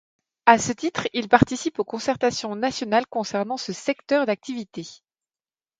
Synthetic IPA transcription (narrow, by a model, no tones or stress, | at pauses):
asət̪it̪χilpaʁt̪isipokɔ̃sɛʁt̪asjɔ̃nasjɔnalkɔ̃sɛʁnɑ̃səsɛkt̪œʁd̪ak̚t̪ivit̪e